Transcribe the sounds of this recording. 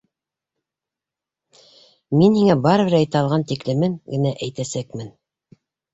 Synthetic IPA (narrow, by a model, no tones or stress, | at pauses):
minhiŋæbɑɾɤ̆βɘɾæjt̪æɑlˠʁɑnt̪iklɘ̆mɘŋɡɘ̆næʔæjt̪æsækmɘn